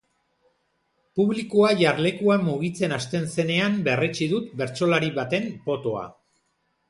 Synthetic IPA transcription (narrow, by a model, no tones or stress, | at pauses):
puβlikuaʝaɾle̞kuamuɣ̞it͡se̞nast̪e̞nse̞ne̞ambe̞ret͡ʃiðut̪be̞ɾt͡so̞laɾiβat̪e̞mpo̞t̪o̞a̰